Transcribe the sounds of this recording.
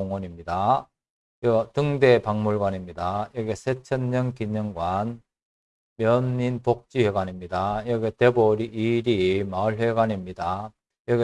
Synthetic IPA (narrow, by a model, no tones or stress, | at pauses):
oŋʌɲimɲida | jʌɡtɯŋde̞paŋmuɭɡwanimɲidajʌɡesʰet͡ɕʰʌnɲʌnkiɲʌŋɡwan | mjʌnːinpok̚t͡ɕ͈iheɡwaɲimɲidajʌɡete̞boɾiʔːɾimaɯɭɦe̞ɡaɲimɲida | jʌɡe